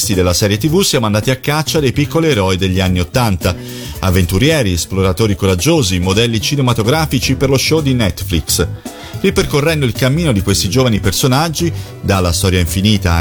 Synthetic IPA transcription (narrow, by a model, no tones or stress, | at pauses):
st̪id̪elːasɛːɾjet̪ivusijamoand̪aːt̪iakːat͡ʃːad̪ejpikːolieɾɔjd̪eʎːianːiot̪ːant̪a | avːent̪uɾjɛːɾiesploɾat̪oːɾikoɾad͡ʒːoːzimod̪ɛlːit͡ʃinemat̪oɡɾaːfit͡ʃiperloʃod̪inɛt̪ːfliks | riperkorːɛnd̪oilkamːiːnod̪ikwest̪id͡ʒoːvanipersonad͡ʒːi | d̪alːast̪ɔːɾjaiɱfiniːt̪a